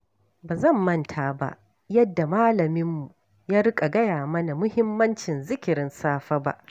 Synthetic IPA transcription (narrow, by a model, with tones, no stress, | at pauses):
baː˨zɐ˦˨mːɐ˦˨ntʰaː˨ba̰˦ʔ | jɐ˦dːa˨maː˦lɐ˨mɪ˦mːu˨ | jaː˦ɾɪ˦kʼa˨ɡɐ˦jaː˨mɐ˦na˨mʊ˦hɪ˦mːɐ˦nt͡ʃɪ˨nzɪ˦kʲɪ˨ɾɪ˦nsaː˦ɸa˦ba̰˦ʔ